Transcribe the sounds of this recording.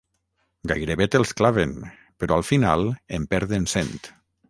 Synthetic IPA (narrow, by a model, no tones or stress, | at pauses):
ɡa̰jɾeβet̪elˠsklaβen | peɾɔalˠfina̰lˠempɛɾðensent̪